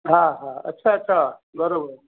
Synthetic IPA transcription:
ɦãɦãɐ̰tːɕʰaɐtːɕʰabɐɾobəɾ

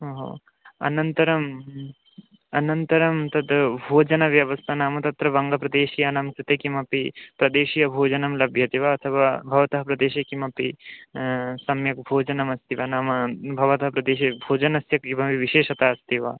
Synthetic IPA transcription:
ɦoɦo̰ː | ɐ̰nɐnt̪ɐɾɐm | ɐnɐnt̪ɐɾɐmt̪ɐd̪bʱoːd͡ʒɐnɐʋjɐʋɐst̪ʰɐnaːmɐt̪ɐt̪ɾɐʋɐŋɡɐpɾɐd̪eːʃijɐnɐmkɾit̪ekimɐpipɾɐd̪eːʃijɐbʱoːd͡ʒɐnɐmlɐbʱjɐt̪iʋaɐt̪ʰɐʋaːbʱɐʋɐt̪ɐɦɐpɾɐd̪eːʃɐkimɐpi | sɐmjɐk̚bʱoːd͡ʒɐnɐmɐst̪iʋɐnaːmɐbʱɐʋɐt̪ɐɦɐpɾɐd̪eːʃɐbʱoːd͡ʒɐnɐsjɐkibʱɐʋiʋiʃeːʃɐt̪aːɐst̪iʋa̰ː

